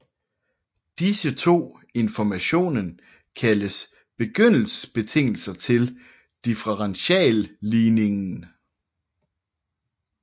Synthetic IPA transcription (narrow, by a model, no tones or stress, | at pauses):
d̥isət͡sʰo̝̰ː | e̝nfɒmæɕo̝̰ːnən | kʰæləs | b̥e̝ɡ̥øn̰l̩sə̥sb̥e̝t͡sʰe̝ŋ̰l̩sɐt͡sʰe̝l | d̥ifʁəʁɑnɕɛ̰ːlːiːne̝ŋn̩